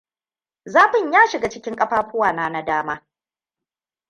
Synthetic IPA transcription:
zaː˦ɸɪ˨ɲjaː˦ʃɪ˨ɡa˨t͡ʃɪ˦kʲɪ˦ŋkʼɐ˦ɸaː˦ɸʊ˦waː˨naː˦na˦daː˦maː˦

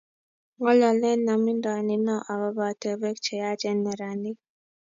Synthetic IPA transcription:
ŋɔ˦lɔ˨lɛ˦na˨mi˦ndɔ˨ni˨nɔ˦ʔa˨βa˦ba˨tɛ˨bɛ˦k̚t͡ʃɛ˨ja˦d͡ʒɛ˦nɛ˨ɾa˨ni˦

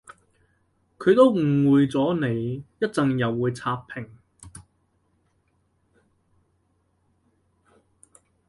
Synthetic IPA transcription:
kʰɵ˨˧ɥt̪o˥wm̩˨˩wuː˨jt͡sɔː˨˥ne˨˧jjɐ˥t̚t͡sɐ˨ŋjɐ˨wːuː˨˧jt͡sʰaː˧p̚pʰɪ˨˩ŋ

